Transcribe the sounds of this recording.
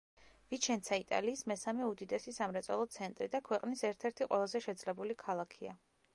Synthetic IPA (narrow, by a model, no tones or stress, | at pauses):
vit͡ʃʰɛnt̪sʰait̪ʼa̰liːsmɛsamɛud̪id̪ɛsisamɾɛt̪sʼɔlˠɔt̪sʰɛnt̪ʼɾid̪akʰwɛqʼnisɛɾt̪ʰɛɾt̪ʰiqʼwʔɛlˠazɛʃɛd̪zlɛbulikʰalˠakʰia̰